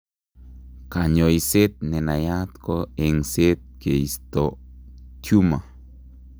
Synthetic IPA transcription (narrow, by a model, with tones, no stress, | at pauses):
ka˨ɲo˨i˨se˦t̪̚ne˨na˨ja˦t̪ko˦e˨ŋse˦t̪̚ke˨i˨st̪o˨tju˦ma˨